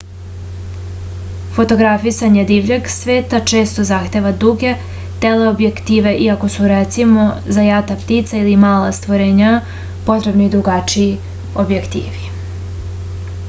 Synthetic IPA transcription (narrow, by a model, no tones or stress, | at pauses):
fo̞t̪o̞ɡɾafisaɲed̪iʋʎeɡsʋeːt̪at͡ʃe̞ːst̪ozaxt̪e̞ʋad̪uɡe̞ | t̪eleobjekt̪iːʋe̞ʔiako̞suɾet̪simo̞zajat̪apt̪it̪sailimaːla̰st̪ʋoɾeːɲa | po̞t̪ɾe̞bnid̪ɾuɡat͡ʃii | objekt̪ḭːʋi